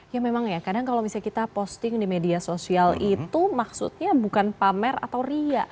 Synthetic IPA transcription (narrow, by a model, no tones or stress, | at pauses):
jamemaŋjakadaŋkalawmisalkit̪apɔst̪ɪŋdimediasosialit̪umaksṵt̪̚ɲabukanpamɛra̰t̪awriaʔ